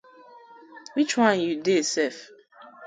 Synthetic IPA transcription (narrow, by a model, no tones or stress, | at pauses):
wit͡ʃwãnjudesɛf